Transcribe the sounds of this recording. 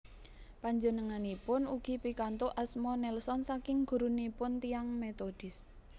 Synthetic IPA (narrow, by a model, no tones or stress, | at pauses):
paɲd͡ʒənəŋanipʊnuɡ̥i̤pikant̪oʔasmɔnɛlsɔnsakɪŋɡ̥ṳɾunipʊnt̪ijaŋmet̪od̥ɪs